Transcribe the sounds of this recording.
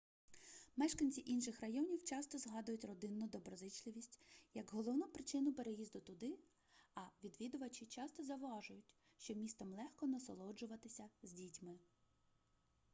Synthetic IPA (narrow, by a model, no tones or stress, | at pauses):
mɛʃkɐnʲt͡sʲiʔinʃɪxrɐjɔnʲiwt͡ʃɑst̪ɔzɦɑd̪ʊjʊtʲrɔd̪ɪnːʊd̪ɔbɾɔzɪt͡ʃlˠɪʋʲisʲtʲjɐɡɦɔlˠɔwnupɾɪt͡ʃɪnʊpeɾejizd̪ʊt̪ʊd̪ɪ | ɐʋʲid̪ʋʲid̪ʊʋɐt͡ʃɪt͡ʃɑst̪ɔzɐwɑʒʊjʊtʲ | ʃt͡ʃɔmʲist̪ɐmlˠɛxkɔnɐsɔlˠɔd͡ʒʊʋɐt̪ɪsʲɐzʲdʲitʲmɪ